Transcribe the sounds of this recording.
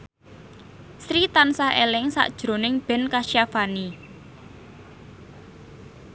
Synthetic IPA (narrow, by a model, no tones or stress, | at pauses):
sɾit̪ansaɦelɪŋsa̰ʔd̥ʒ̥ɾo̤nɪŋb̥ɛ̤nkaʃjafani